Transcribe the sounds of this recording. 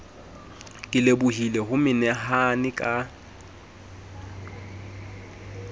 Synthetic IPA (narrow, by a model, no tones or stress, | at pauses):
kʼɪlebʊɦilɛɦʊmɪnɛɦanɪkʼa